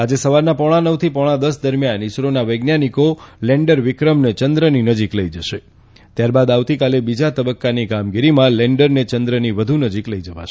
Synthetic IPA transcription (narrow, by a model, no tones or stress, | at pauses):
ad͡ʒesəʋaɾnapɔɽ̃anəʋt̪ʰipɔɽ̃ãd̪əsd̪əɾmjanɪsɾonaʋəjɡnjanikolɛɳɖəɾʋɪkɾəmnet͡ʃənd̪ɾəninəd͡ʒikləid͡ʒəʃe | t̪jaɾbad̪aʋt̪ikalebid͡ʒat̪əbəkːanikamɡiɾimãlɛɳɖəɾnet͡ʃənd̪ɾəniʋəd̪ʱunəd͡ʒikləid͡ʒəʋa̰ʃe